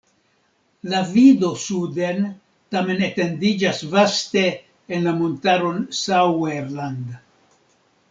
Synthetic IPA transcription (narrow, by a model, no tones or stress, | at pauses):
lavidosuden | tame̞nete̞ndid͡ʒasvaste̞ː | nlamontaɾo̞nsaweɾland̪